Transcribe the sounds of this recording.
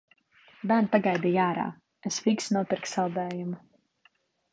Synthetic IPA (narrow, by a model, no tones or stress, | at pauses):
bæːɾntpaɡajd̪ijaːɾa̰ː | esfiksnuɔpiɾksalˠd̪ɛːjum